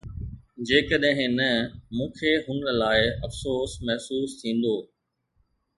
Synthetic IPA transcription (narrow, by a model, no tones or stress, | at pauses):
d͡ʑeːkəɗɦɪ̃nɐmũːkʰeɦʊnə̆laːɪɐfsoːsmɛɦsuːst̪ʰĩːn̆d̪oː